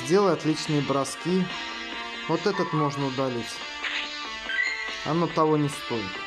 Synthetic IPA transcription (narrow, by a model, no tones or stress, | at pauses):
zʲdʲe̞lˠəjat̪lʲit͡ɕnɨjəbɾɐskʲi | vot̪ɛt̪ət̪mo̞ʐnəʊd̪ɐlʲet͡sʲ | ɐ̰not̪ɐvonʲɪst̪o̞jɪt̪